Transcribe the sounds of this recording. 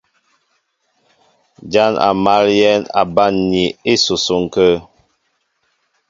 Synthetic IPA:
d͡ʒa˦na̰˨ma˨˦ljɛ˦na̰˨ba˦˨nni˨e˦˨so˨so˨ŋ˨kə˦

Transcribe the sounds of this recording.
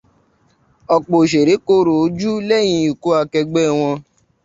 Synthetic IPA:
ɔ˧˨k͡po˨ʃe˨ɾe˨˦ko˧ɾo˨o˨˦d͡ʒu˦lɛ˦˨j̃ĩ˧u˨ko˨˦a˧kɛ˧ɡ͡bɛ˦w̃ɔ̃˧

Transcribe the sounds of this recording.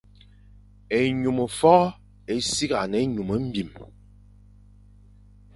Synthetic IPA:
e˨ɲu˨mə˨fɔ˦ | e˨si˦ɣa˨ne˨˦ɲu˨mə˨˦m̩˦bi˨m

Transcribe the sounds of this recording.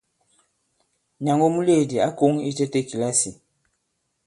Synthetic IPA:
ɲa˨ŋɡo˦mu˦le˦˨di˨a˦ko˦ŋi˦te˦te˦ki˨la˦si˨

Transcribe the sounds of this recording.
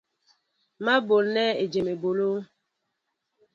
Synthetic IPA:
ma˦bo˨lnɛ˦e˨d͡ʒe˨me˨bo˨lo˦

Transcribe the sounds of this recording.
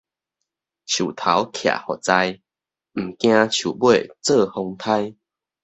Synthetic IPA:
t͡ɕʰju˨˩t̪ʰa˨˦wkʰja̰˨˩hɔ˨˩t͡sa˧j | m̩˨˩kj̃ã˧t͡ɕʰju˨˩bwe˥˧˨t͡sɤ˥˧hɔ˧ŋt̪ʰa˦j

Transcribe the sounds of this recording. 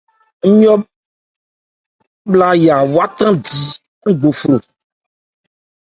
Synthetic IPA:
ŋ̩˦ɲɔ̃˦ | bla˦ja˨wu˦a˦t̪ɾã˦di˨ | ŋ̩˦ɡ͡bo˨fɾo˨

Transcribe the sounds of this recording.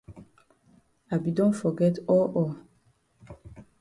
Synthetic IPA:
a˨bi˨dɔ̃˦ntfɔ˨ɡɛ˦tɔ˦ʔɔ˨

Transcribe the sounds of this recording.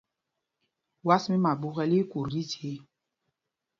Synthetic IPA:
wa˦smi˦ma˨bu˦ɣɛ˦li˦ku˨ɾdi˦te˨˦

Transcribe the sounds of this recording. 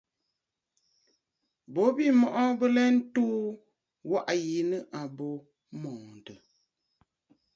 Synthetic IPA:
bo˨˦bi˦˨mɔ˨ʔɔ˦bə˦lɛ˦n̩˦tuː˦ | wa˦ʔji˨˦nɨ˦ʔa˨bo˨ | mɔ̃ː˨n˨də˨

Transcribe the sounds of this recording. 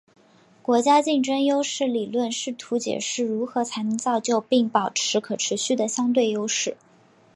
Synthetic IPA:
kwɔ˧˥t͡ɕja˥t͡ɕi˥˩ŋʈ͡ʂə˥ŋjo˥ʊʂɻ̩˥˩li˨˩lwə˥˧nʂɻ̩˥˩t̪ʰu˧˥t͡ɕjɛ̰˨˩ʂɻ̩˥˩ɻu˧˥xɤ˧˥t͡sʰa˧˥ɪnə˧˥ŋt͡sɑ˥˧ʊt͡ɕjo˥˧ʊpi˥˩ŋpɑ˨˩ʊʈ͡ʂʰɻ̩˧˥kʰɤ˨˩ʈ͡ʂʰɻ̩˧˥ɕy˥˩d̪ə˩ɕjɑ˥ŋt̪̬we˥˩ɪjo˥ʊʂɻ̩˥˩

